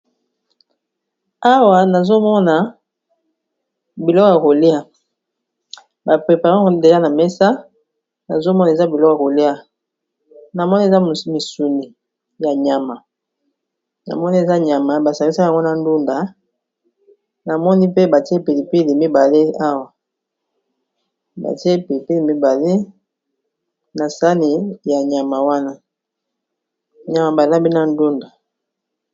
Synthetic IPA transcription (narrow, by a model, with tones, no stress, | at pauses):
a˦wa˨na˨zo˦mɔ˦na˨ | bi˨lɔ˦kɔ˦ja˨ko˨li˦a˦ | ba˨pe˨pa˨ʁã˦˨˦de˨ja˦na˨mɛ˦sa˦ | na̰˨zo˦mɔ˦na˨e˨za˦bi˨lɔ˦ka˨ko˨li˦a˨ | na˨mɔ˦ni˦e˨za˦˨mi˨su˨ni˨ | ja˨ɲa˨ma˨ | na̰˨mɔ˦ni˦e˨za˦ɲa˨ma˨ba˨sa˨i˦sa˦a˨ŋɡo˦na˨n˦du˦nda˨ | na˨mɔ˦ni˦pe˦ba˨ti˦e˦pe˨li˨pe˦le˨mi˦ba˨le˦a˦wa˨ | ba̰˨te˦pe˨li˨pe˦le˨mi˦ba˨le˦ | na˨sa˦ni˨ja˨ɲa˨ma˨wa˦na˦ | ɲa˨ma˨ba˨la˦bi˦na˨ndu˦nda˨